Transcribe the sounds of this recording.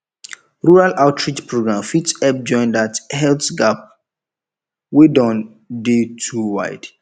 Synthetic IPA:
ɹuɹalʔaʊtʰɹit͡ʃpɹoɡɹãmfitsɛp̚d͡ʒɔ̃ɪ̃ndathɛlθɡap̚ | wedɔ̃n | detʰuwa̰ɪd̥

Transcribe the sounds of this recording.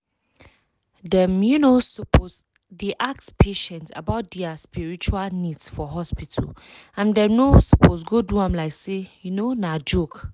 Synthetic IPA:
dɛ̃mjunosɔpos | deʔak̚tpʰeʃɛ̃nta̰baʊt̚dɛaspiɹit͡ʃualnidsfɔɦɔspitʰa̰lãndɛnosɔpos̬ɡoduãmlaɪksejunonad͡ʒok

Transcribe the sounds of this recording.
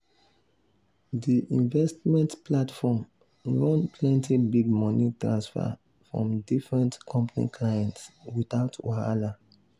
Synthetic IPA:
diʔĩnvɛstmɛ̃ntplatfɔm | ɹɔ̃npʰlɛ̃ntibiɡ̚mɔnitɹãnsfa̰ | fɹɔ̰̃mdifɹɛ̃ntkʰɔ̃mpanḭkʰlajɛ̃ntswitaʊtʰwoa̰la

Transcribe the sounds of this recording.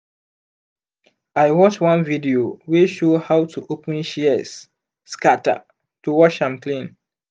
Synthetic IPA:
ajwɔt͡ʃwãnvidiowiʃohawtʰuʔopə̃nʃiəs | skata̰ | tuwɔʃãmkʰlĩn

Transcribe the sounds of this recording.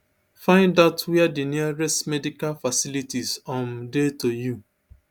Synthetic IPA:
fãɪ̃ndaʊtʰwɛadiniaɹɛstmɛdikalfasilitizɔ̃mdetoju

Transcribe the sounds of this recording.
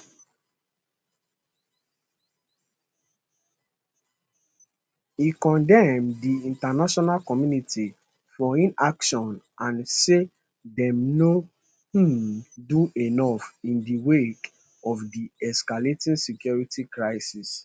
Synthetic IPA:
ikɔ̃ndɛmdiĩntanaʃɔnalkɔmjuniti | fɔĩnakʃɔ̃n | ãnse | dɛ̃mno | duenɔfĩndiwek | ɔfdiɛskaletĩnsikjɔɹitikɹaɪsis

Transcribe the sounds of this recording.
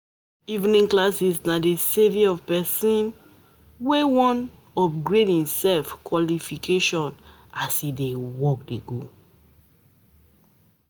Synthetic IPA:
ivnĩŋklasisnadeseviɔvpɛsĩn | wewɔ̃n | ɔp̚ɡɹedhĩmsɛlfkwɔlifikʰeʃɔ̃n | asidewɔk̚deɡo

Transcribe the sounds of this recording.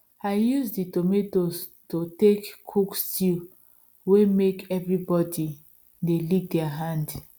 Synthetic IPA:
aɪjusditometos | totekkʰukstil | wemekʰɛvɹibɔdi | delik̚dɛaɦãnd

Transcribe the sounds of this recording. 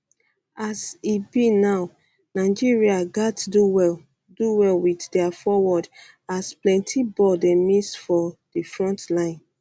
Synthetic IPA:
asibinaʊ | naɪd͡ʒiɹiaɡatduwɛ | duwɛlwiθdɛafɔwɔd | asplɛ̃ntʰibɔdɛ̃mĩsfɔd̥ifɹɔ̃ntlãɪ̃n

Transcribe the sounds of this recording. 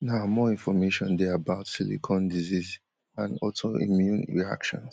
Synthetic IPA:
naʊmɔĩnfɔmeʃɔ̃ndɛabaʊtsilḭkʰɔ̃ndiziz | ãnɔlsoḭmjũnɹḭa̰kʃɔ̰̃ns

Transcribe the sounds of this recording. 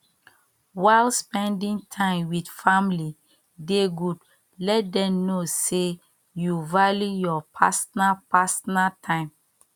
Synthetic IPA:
waɪlspɛ̃ndĩŋtʰãɪ̃mwidfamli | deɡud | lɛt̚dɛ̃mnose | juvalijɔpʰasɔnapasɔnatʰãɪ̃m

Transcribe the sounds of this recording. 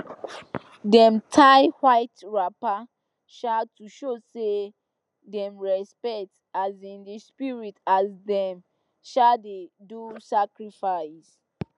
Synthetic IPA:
dɛ̃mtʰaɪhwaɪtɹapa | ʃatuʃose | dɛ̃mɹɛspɛk̚t | azĩndispiɹitazdɛ̃m | ʃadedusakɹifaɪs

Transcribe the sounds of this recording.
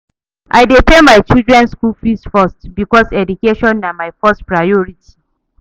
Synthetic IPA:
ʔa̰jdepɛmaɪt͡ʃildɹɛ̃nskulfistfɔstbikɔsɛdukeʃɔ̃nːamajfɔstpɹajɔɹitʰi̥

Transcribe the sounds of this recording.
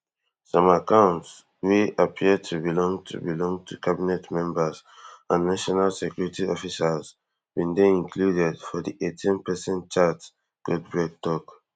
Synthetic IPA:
sɔ̃makãʊ̃nts | wiapʰidtʰubilɔ̃ŋtʰṵbilɔ̃ŋtʰukʰabinɛtmɛ̃mbazãnːaʃɔnalsekʰjuɹitiɔfisaz | bĩndeĩŋkʰludɛdfɔdiʔetʰĩnpɛsɛ̃ntt͡ʃat | ɡ̥ud̚bɹɛɡ̚tɔk

